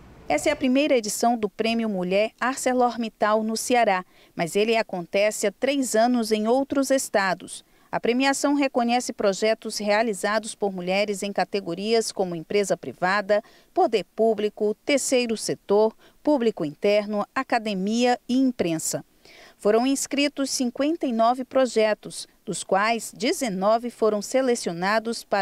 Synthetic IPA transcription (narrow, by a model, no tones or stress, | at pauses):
ɛst̪ɐɛɐpɾimejɾɐed͡ʒisɐ̃w̃d̪ʊpɾẽmjʊmuʎɛɾaɾseloɾmit̪awnʊseaɾa | mɐzelɪakõnt̪ɛsɪat̪ɾejzɐ̃nʊzẽj̃owt̪ɾʊzest̪ad̪ʊs | ɐ̰pɾemiasɐ̃w̃ɦekõɲɛsɪpɾoʒɛt̪ʊzhealizad̪ʊspoɾmuʎɛɾɪzẽj̃kat̪eɡoɾiɐskõmʊẽpɾezɐpɾivad̪ɐ | pod̪eɾpublikʊt̪eɾsejɾʊset̪oɾ | publikʊĩnt̪ɛɾnʊakad̪emiɐɪĩpɾẽsɐ | foɾɐ̃w̃ĩskɾit̪ʊsːĩŋkwẽnt̪ɐinɔvɪpɾoʒɛt̪ʊs | d̪ʊskwajzd͡ʒizenɔvɪfoɾɐ̃w̃selesionad̪ʊspa